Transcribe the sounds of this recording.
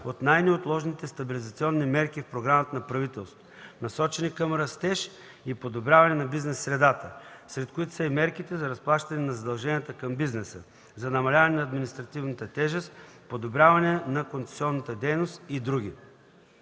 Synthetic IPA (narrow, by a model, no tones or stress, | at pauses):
ot̪najnɛot̪lˠɔʒnit̪ɛst̪ɐbilʲizɐt̪siɔnːimɛɾkifpɾoɡɾamət̪ənɐpɾɐvit̪ɛlˠst̪onɐsɔt͡ʃɛnikɐmɾɐst̪ɛʃ | ipod̪obɾʲjavɐnɛnɐbiznɛsːɾɛd̪at̪əsɾɛt̪̚koit̪o̥sɐimɛɾkit̪ɛzɐɾɐsplˠaʃt̪ɐnɛnɐzɐd̪ɐlˠʒɛnʲiət̪əkɐmbiznɛsə | zɐnɐmɐlʲavɐnɛnɐːd̪minist̪ɾɐt̪ivnət̪ət̪ɛʒɛst̪ | pod̪obɾʲavɐnɛnɐkont̪sɛ̥siɔnːət̪əd̪ɛjnost̪id̪ɾuɡ̟ʲi